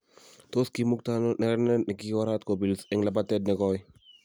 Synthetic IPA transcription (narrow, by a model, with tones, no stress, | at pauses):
toski˨mu˦k̚tano˦nɛ˨ɾɛnɛ˦nɪ˨kiwa˦ɾat̚ko˨bi˨lsɛŋla˨batɛd̚nɪ˨kɔj